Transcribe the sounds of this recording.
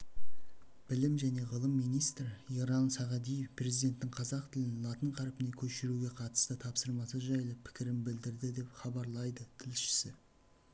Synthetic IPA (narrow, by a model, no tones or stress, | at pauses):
b̥ɪlɪmʒæne̞ʁəlˠəmːijnijst̪ɾiɾɑnsɑʁɑd̪ijefpʰre̞zijd̪e̞nt̪ːɪŋqʰɑzɑqt̪ʰɪlɪnlˠɑt̪əɴqʰɑɾpɪne̞kʲʰɵʃɪɾuɡʲe̞qʰɑt̪ə̥st̪ət̪ʰɑpsəɾmɑsəʒɑjlˠəpʰɪ̥kʲɪɾɪmbɪld̪ɪɾd̪ɪd̪e̞pχɑbɑɾlˠɑjd̪ət̪ʰɪlʃɪ̥sɪ